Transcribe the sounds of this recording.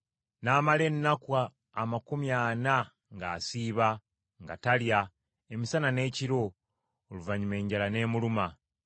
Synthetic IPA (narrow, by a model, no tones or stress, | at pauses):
naːmale̞nːakwaː | makumjana | ŋɡaːsiːβa | ŋɡa̰talja | emisanane̞ːciɾo̞ː | luvaɲume̞ːɲɟalane̞ːmuluma